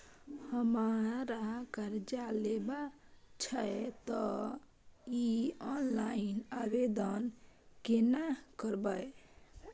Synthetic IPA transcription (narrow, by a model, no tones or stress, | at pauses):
həmaɾakəɾd͡ʒalebat͡ʃʰəet̪ɔ | iɔnlainabed̪ənkenakəɾbəj